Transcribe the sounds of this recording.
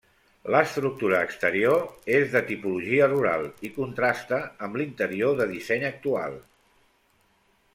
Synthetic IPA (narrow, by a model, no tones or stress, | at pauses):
ləst̪ɾuk̚t̪uɾəːkst̪əɾioezðət̪ipuluʒiəruɾa̰lˠikunt̪ɾast̪əːmblint̪əɾioðəðisɛɲək̚t̪ua̰lˠ